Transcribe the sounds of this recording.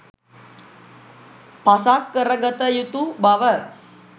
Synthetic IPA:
pasakːəɾəɡət̪əjut̪ubaʋə

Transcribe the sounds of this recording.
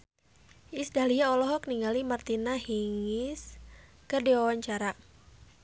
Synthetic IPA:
ʔisdaliaɔlɔɦɔkniŋɡalimart̪inahiŋɪs | kərdiwawaɲt͡ʃaɾa

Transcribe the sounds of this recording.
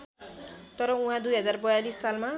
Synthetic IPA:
t̪ʌɾʌũɦãd̪ujɦʌd͡zarbʌjalisːalma

